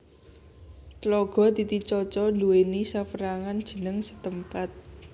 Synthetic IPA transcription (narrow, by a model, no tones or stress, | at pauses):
klɔɡ̥ɔ̤d̪it̪it͡ʃɔt͡ʃɔnuwenisafəɾaŋand̥ʒ̥ə̤nəŋsə̥t̪əmpat̪̚